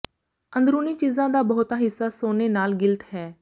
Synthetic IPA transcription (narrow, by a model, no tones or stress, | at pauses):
ə̃nd̪ɾuːniːt͡ʃiːzãːd̪aːbɔːt̪aɦɪsːaːsoːneːnaːlɡɪlt̪ɦɛː